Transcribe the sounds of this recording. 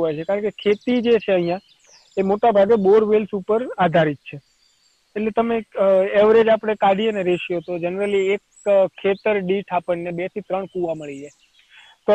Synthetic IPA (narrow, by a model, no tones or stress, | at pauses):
ɦojt͡ʃʰekaɾəɳkekʰet̪id͡ʒet͡ʃʰeəɦijã | emoʈabʱaɡeboɾʋelsupəɾad̪ʱaɾit̪̚t͡ʃʰeː | ʈlet̪əmeeʋɾed͡ʒapəɽ̃ekaɽieneɾeʃjot̪od͡ʒənɾəliek | kʰːet̪əɾɖiʈʰapəɳnebet̪ʰit̪ɾəɳkuʋaməɭije | t̪o